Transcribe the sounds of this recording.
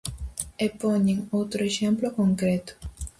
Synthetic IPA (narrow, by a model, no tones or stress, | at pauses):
epoɲiŋot̪ɾoeʃemplokoŋkɾet̪u̥